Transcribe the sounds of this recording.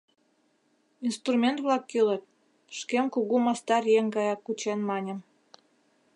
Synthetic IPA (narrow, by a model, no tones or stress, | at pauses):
inst̪rumʲent̪βlɑkːylət̪̚ | ʃkemkuɣumɑst̪ɑrjeŋɡɑjɑkːut͡ɕenmɑnʲə̆m